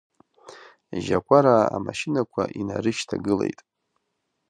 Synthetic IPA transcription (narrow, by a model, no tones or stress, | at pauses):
ʒakʷʼaɾaːmaʃinakʷʰaʔinaɾɨʃtʰaɡɨle̞̰jtʼ